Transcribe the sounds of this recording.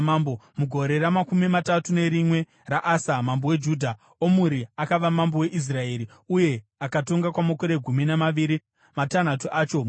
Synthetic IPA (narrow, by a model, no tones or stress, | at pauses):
mambomuɡʱo̞ɾe̞ɾamakumimatatune̞ɾimwe̞ | raʔasamambowe̞d͡ʒuːdʱa | omuɾiakaʋamambowe̞ʔis̬rae̞ːɾi | uje̞akato̞ŋɡakwamokoɾe̞ɡʱuminamaʋiɾi | matan̤atuʔaːt͡ʃo